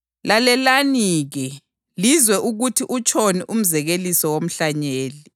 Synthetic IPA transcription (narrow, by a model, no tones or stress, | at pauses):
lalɛlaniːɣɛ | lizwɛʔuɣutʰiʔut͡ʃʼʰoniʔum̩zɛɣelisɔwom̩ɬaɲeːli